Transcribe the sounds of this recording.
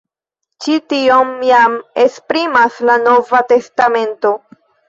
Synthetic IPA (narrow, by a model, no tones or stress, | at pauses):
t͡ʃitio̞mjame̞spɾimaslano̞vate̞stame̞nto̞